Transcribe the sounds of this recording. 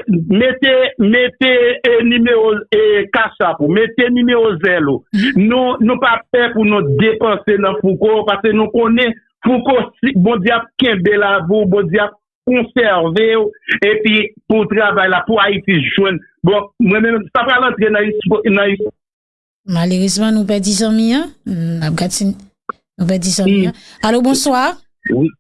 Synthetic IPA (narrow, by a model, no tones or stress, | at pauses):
met̪emet̪enymeʁokaʃapumet̪enymeʁozɛlonũnũpafɛpunũd̪epɐ̃senɐ̃fukopaskenũkõnɛ̃ | fukosibõd͡zjeap̚kɛ̃belavubɔ̃d͡zjeap̚ | kɔ̃sɛʁveoepiput̪ʁavajlapuait͡siʒwɛ̃n | bɔ̃mwɛ̃mɛ̃msapɣalɐ̃t̪ʁenãisnãis | maleʁismãnũpɛd͡zizãmĩãnap̚ɡati | nũp̬ɛd͡zizãmĩalobɔ̃swaʁ | wi